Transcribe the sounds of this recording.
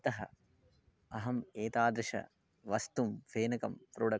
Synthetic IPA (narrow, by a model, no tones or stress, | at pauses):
t̪ɐɦɐ | ɐɦɐmeːt̪aːd̪ɾɐʂɐ̰ | ʋɐst̪umfeːnɐkɐmpɾoːɽɐ